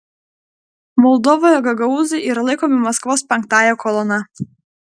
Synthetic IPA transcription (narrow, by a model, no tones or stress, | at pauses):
mɔlˠd̪ɔʋɔːjɔɡɐɡɐuːzɐɪʔiːɾɐlˠɐɪkɔːmʲɪmɐskʋoːspʲɛŋk̚t̪ɑːjɛkɔlˠɔnɐ